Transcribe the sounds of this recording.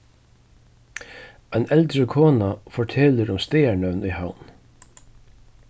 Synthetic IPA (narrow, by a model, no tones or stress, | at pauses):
ɛɪnɛlt̪ɾəkʰoːnafɔʈʰɛːləɾʊmst̪eːæɳœʋnihawn